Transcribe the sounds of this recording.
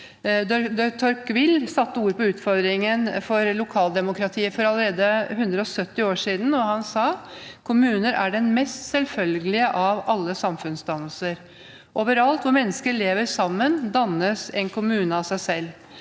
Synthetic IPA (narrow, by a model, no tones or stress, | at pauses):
d̪d̪t̪ʰɔɾkʋɪlːsɑt̪ːəuːɾəpɔʉːt̪fɔɾd̪ɾɪŋənfɔɾlʊkʰɑːld̪ɛmʊkɾɑt̪ʰiːəfɔɾɑləɾeːd̪əɦʉnd̪ɾəɔsœt̪ːɪoːʂiːd̪n̩ɔhɑnsɑːkʰʊmʉːnəɾʔæɖɛnmɛst̪sɛlfœlɡəlɪəʔɑʋɑlːəsɑmfʉnsd̪ɑnːəlsəɾ | ʔoːʋəɾɑlt̪ʋʊɾmɛnːəskəɭeːʋəɾsɑmːənd̪ɑnːəsɛnkʰʊmʉːnəɑsæɪsɛlː